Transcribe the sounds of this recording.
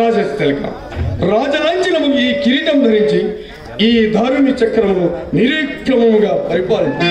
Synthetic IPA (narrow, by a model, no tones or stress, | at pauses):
aːd͡ʒɐst̪ɐlika̰ | ɾaːd͡ʒɐnaːɲt͡ʃinɐmːukuiːkiɾiʈɐmd̪ʱɐɾiɲt͡ʃi | iːd̪ʱaːɾunit͡ʃɐkːɾɐmuniɾiːkʰɾɐmɐmuɡaːpɐɾipaːlɐnt̪u